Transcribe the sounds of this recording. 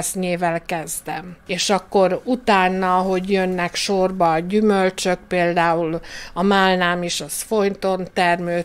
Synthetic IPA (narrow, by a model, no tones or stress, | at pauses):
sɲeːvɛlkɛzd̪ɛmeːʃɒkːo̞ɾut̪aːnːɒɦo̞ɟjønːɛkʃorbɒɟymølt͡ʃøk̚peːld̪aːulɒmaːlnaːmeːʃɒsfo̞j̪t̪o̞nt̪ɛrmøː